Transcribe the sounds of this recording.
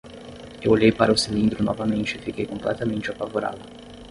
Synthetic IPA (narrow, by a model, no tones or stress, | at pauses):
ewlejpaɾʊsilĩnd̪ɾʊnɔ̰vamẽnt͡ʃɪfikejkõmplɛt̪amẽnt͡ʃɪapavoɾa̰ːd̪ʊ